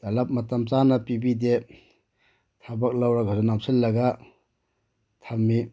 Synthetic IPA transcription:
d̥ɐlɐp̚mɐtɐmt͡ʃanɐpibide | tʰabɐk̚lawɾaɡɐsunamsilːɐɡa | tʰɐmːi

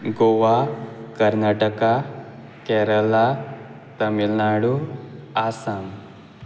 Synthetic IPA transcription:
ɡoʋakəɾnaʈəka | kɛɾəla | t̪əmilnaɽuasam

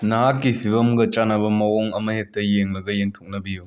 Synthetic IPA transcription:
naɦakːipʰibɐmɡɐt͡ʃanɐbɐmɐwɔŋɐmɐhek̚tɐjeŋlɐɡɐjeŋtʰok̚nɐbiju

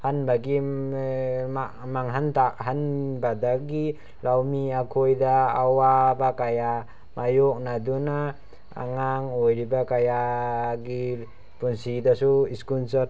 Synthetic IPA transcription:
hanbaɡi | ma | maŋɦant̪ak̚ɦanbad̪aɡi | lawmiakʰojd̪aːwabakaja | majok̚nad̪una | a̰ŋaŋojɾibakajaɡi | punsid̪asuiskunsɔt̪̚

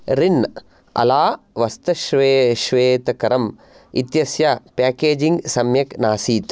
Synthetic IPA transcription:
ɾin | ɐ̰laː | ʋɐst̪ɐʃʋeʃʋeːt̪ɐkɐɾɐm | it̪jɐsjapaːkeːd͡ʒiŋɡsɐmjɐknaːsiːt̪

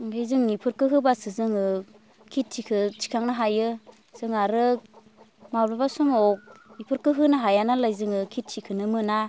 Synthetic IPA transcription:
lajzɯŋnipʰɯɾkɯɦɯbasɯzɯŋɯ | kʰit̚tʰikʰɯt͡ʃʰi̥kʰaŋnaɦajɯ | sɯŋaɾɯ | mablabasumɔk̚ipʰɯɾkɯɦɯnaɦajanalajzɯŋɯkʰit̚tʰikʰɯnɯmɯna

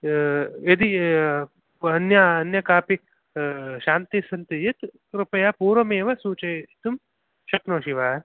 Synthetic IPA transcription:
ed̪i | ɐnjɐɐnjɐkaːpi | ʃaːnt̪isɐnt̪ijɐt̪ | ɾupɐjapuːɾɐmeːʋɐsuːt͡ʃɐt̪um | ʃɐknoːʃiʋaː

